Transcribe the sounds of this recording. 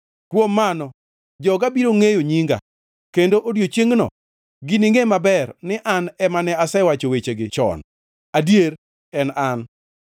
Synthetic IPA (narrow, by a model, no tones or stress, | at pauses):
kwomːanɔ | d͡ʒɔɡabiɾoŋejoɲiŋɡa̰ | kendoʔodjot͡ʃjeŋnɔ̰ | ɡɪniŋemabɛrnɪʔanɛmanɛasɛwat͡ʃowet͡ʃeɡɪt͡ʃɔ̰n | adjeɾ | ɛnan